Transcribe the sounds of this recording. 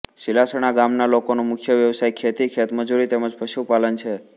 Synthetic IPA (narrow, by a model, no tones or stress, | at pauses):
ʃilasəɽ̃aɡamnalokonomʊkʰjəʋjəʋsajkʰet̪ikʰet̪məd͡ʒuɾit̪eməd͡ʒpəʃupalənt͡ʃʰe